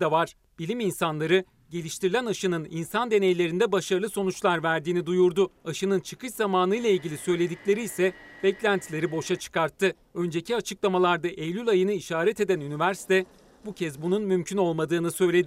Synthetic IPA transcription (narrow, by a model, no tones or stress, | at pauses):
d̪avaɾ̥ | b̥ilʲiminsanlˠaɾɯ | ɟe̞lʲiʃt̪ʰiɾilʲænaʃɯnɯninsand̪e̞ne̞jlʲe̞ɾind̪ɛbaʃaɾɯlˠɯso̞nut͡ʃlˠaɾvæɾd̪iːnid̪ujuɾd̪ʊaʃɯnɯnt͡ʃʰɯkʰɯt͡ʃzamaːnɯjlˠailʲɟʲilʲisø̞jlʲe̞d̪iclʲe̞ɾiːsɛbɛclʲænt̪ʰlʲe̞ɾibo̞ʃat͡ʃʰɯ̥kaɾt̪ʰːɯ | ø̞nd͡ʒe̞cʰiat͡ʃʰɯklˠamalˠaɾd̪aʔejlʲylʲajɯnɯiʃaːɾɛt̪e̞d̪ænynivæɾsi̥t̪ʰɛ | bucʰɛzbununmymcʰyno̞lˠmad̪ɯːnɯsø̞jlʲe̞d̪